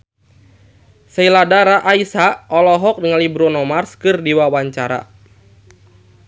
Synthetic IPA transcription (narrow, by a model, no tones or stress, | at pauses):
səiladaɾaʔaisaʔɔlɔɦɔk̚dəŋalibɾɔnɔmarskɨrdiwawaɲt͡ʃaɾa̰